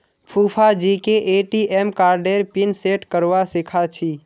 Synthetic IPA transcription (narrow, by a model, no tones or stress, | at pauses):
pʰupʰad͡ʒikeʔeʈiʔɛmkaːɾɖeɾpinseʈkəɾʋasikʰat͡ʃʰi